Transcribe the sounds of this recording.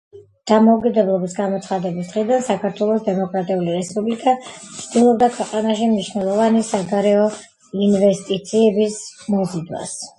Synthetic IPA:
d̪̥amɔukʼid̪ɛblˠɔbisɡamɔt̪sʰχad̪ɛbisd̪̥ʁid̪ansakʰaɾt̪ʰwɛlˠɔsd̪ɛmɔkʼɾat̪ʼiuliɾɛspʼublikʼat̪sʰd̪̥ilˠɔb̚d̪akʰwɛqʼanaʃimniʃnɛlˠɔvanisaɡaɾɛɔ | invɛst̪ʼit̪sʰiɛbismɔzid̪wa̰s

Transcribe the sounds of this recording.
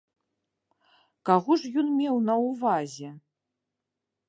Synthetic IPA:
kaɣɔʐjɔnmʲɛwnɐwvazʲɛ

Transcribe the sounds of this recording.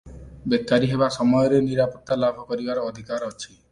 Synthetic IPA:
bekːaɾiɦeβasɔmɔjɔɾeniɾapɔt̪ːalabʱɔkɔɾibaɾɔːd̪ʱikaɾɔt͡ʃʰi

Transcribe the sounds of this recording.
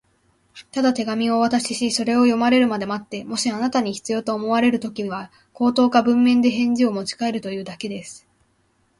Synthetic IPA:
t̪ad̪at̪e̞ɡamʲio̞βat̪aɕiɕiso̞ɾe̞o̞jo̞maɾe̞ɾɯ̟mad̪e̞mat̪ːe̞mo̞ɕianat̪aɲ̟içi̥t͡sɨjo̞ːt̪o̞ːmo̞βaɾe̞ɾɯ̟t̪o̞kʲiɲβa | ko̞ːt̪o̞ːkabɯ̟̃mːẽ̞nd̪e̞ɦẽ̞ɲ̟d͡ʑio̞mo̞t͡ɕi̥kae̞ɾɯ̟t̪o̞jɯ̟ːd̪ake̞d̪e̞sɨ̥

